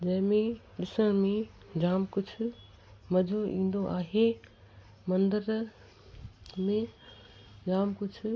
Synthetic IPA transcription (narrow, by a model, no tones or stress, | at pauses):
d͡ʑɐ̃ɦɪ̃mẽ | ɗɪsə̃ɽ̃mẽ | d͡ʑaːmkʊd͡ʑʰʱʊ̆ | mɐd͡ʑʱoḭ̃ːn̆d̪oʔaːɦe | mɐ̃nd̪əɾ | mẽ | d͡ʑaːmkʊd͡ʑʱʰʊ